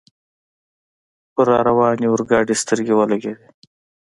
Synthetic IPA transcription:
ʊɾaːɾɐwɑːniʊɾɡɑːɖist̪əɾɡewɐlɐɡeːd̪e

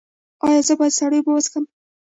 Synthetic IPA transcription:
ɑjɑzəbɑjad̪saɽəjbəwaskəm

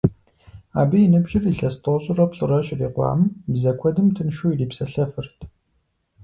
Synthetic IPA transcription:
a̰ːbiːnɨbʒɪriɬɐstʰʼoɕʼɪrɐpɬʼɨrɐɕʼriːqʷɑ̰ːmbzɐkʷʰɔdɨmtʰɨnʃuːiriːpsɐɬɐfɨrtʰ

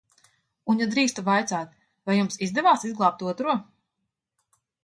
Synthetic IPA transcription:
unjad̪ɾiːst̪uvajt̪saːt̪̚ | vajumsizd̪ɛvaːsizɡlˠaːp̚t̪uɔt̪ɾuɔ

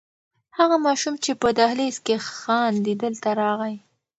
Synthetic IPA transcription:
haɣamɑʃumt͡ʃepəd̪ahleskexɑnd̪id̪əlt̪aɾɑɣaj

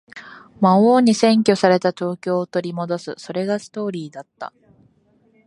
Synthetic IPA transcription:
maoːɲ̟isẽ̞ŋkʲo̞saɾe̞t̪at̪o̞ːkʲo̞ːt̪o̞ɾʲimo̞d̪o̞sɨso̞ɾe̞ɡasɨ̥t̪o̞ːɾʲiːd̪at̪ːa̰

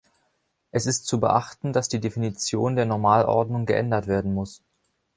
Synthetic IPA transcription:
ʔɛsɪstt͡subəʔaχtn̩dasd̥iːdefinit͡sjoːndeːɐnɔɐmaːlʔɔ̰ɐdnʊŋɡəʔɛ̰ndɐtv̥eːɐdn̩mʊs

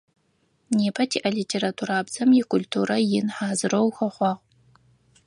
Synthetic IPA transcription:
neːpʰɐtʰiːʔɐliːtʰeːɾatʰuːɾaːbzɐmjɪkʰʷʊltʰuːɾɐjɪnħaːzɨrowxɐχʷɑʁ

